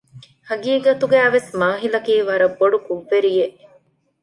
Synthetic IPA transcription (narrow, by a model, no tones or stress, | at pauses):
hɐɡiːɡɐt̪uɡæːʋesmaːɦilɐkiːʋɐɾɐbːoɖukuʋːeɾijeʔ